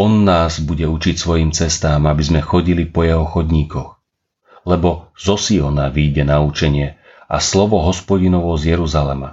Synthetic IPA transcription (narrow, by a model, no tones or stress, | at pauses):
ɔnːaːzbuɟɛut͡ʃicsʋɔjiːmt͡sɛst̪aːmabizmɛxɔɟilipɔjɛɦɔxɔd̪ɲiːkɔx | lɛbɔz̥ɔsiɔnaʋiːɟɛnaut͡ʃɛɲɪɛ | a̰slɔʋɔɦɔspɔɟinɔʋɔzjɛɾuzalɛma̰